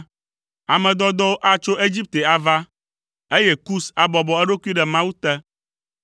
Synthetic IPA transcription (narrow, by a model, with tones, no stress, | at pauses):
a˨mɛ̃˨d̪ɔ˦d̪ɔ˦wo˦ʔa˦t͡ʃo˦ʔe˦d͡ʑi˦p̚t̪e˨a˨va˦ | e˦jɛ˦ku˦sa˨bɔ˨bɔ˨ɛ˦ɖo˦ku˦i˦ɖɛ˨mã˦wu˦t̪ɛ˦